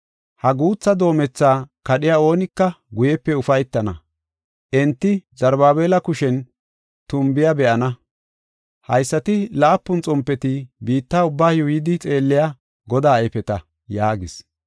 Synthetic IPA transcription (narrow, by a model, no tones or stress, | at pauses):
hɐɡuːt͡sːɐd̪o̞ːmɛt͡sːaːkɐɗɪjaːo̞ːnɪkːɐ | ɡʊjɛpːɛʊfɐjt̪ːɐnɐ̰ | ʔɛnt̪ːɪzɐɾbaːbeːlɐkʊʃɛn | t̪ʊmbɪjɐbɛʔɐnɐ | hɐjsːɐt̪ɪlaːpːʊnt͡sʼɔmpːɛt̪ɪbiːt̪ːaːʊbːaːjʊjɪd̪ɪt͡sʼe̞ːlːɪja | ɡɔd̪aːɐjfɛt̪ɐ | jaːɡɪs